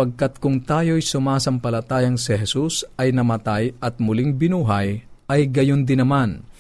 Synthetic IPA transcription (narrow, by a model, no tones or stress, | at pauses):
pɐɡ̚kɐt̪̚kʊŋt̪aːjojsʊmaːsɐmpɐlɐt̪aːjɐŋsɪɦɛsusʔɐjnɐmɐt̪ajʔɐt̪̚mʊlɪŋbɪnuːɦɐjʔɐjɡɐjond̪ɪnɐman